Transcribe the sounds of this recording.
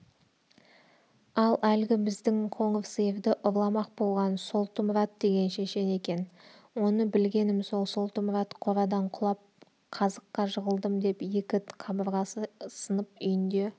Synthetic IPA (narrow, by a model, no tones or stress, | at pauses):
ɑlˠʔælɡʲɪbɪzd̪ɪŋqʰo̞ɴəfsəjevd̪ɪʔʊɾlˠɑmɑq̚bo̞lˠʁɑnso̞lˠt̪əmɾɑt̪̚d̪e̞ɡʲe̞nʃe̞ʃe̞ne̞kʲe̞n | wo̞nəbɪlɡʲe̞nɪmso̞lˠso̞lˠt̪əmɾat̪qʰo̞ɾɑd̪ɑɴqʰʊlˠɑp̚ | qʰɑzəqːɑʒəʁəlˠd̪əmd̪e̞pje̞kʲɪt̪qʰɑbəɾʁɑsənəp̚ʏjɪnd̪e̞